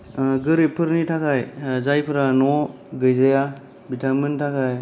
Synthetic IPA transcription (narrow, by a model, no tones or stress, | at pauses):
ɡɯɾipʰɯɾnitʰakʰajzajpʰɯɾanɔ | ɡɯjzaja | bitʰamɯntʰakʰaj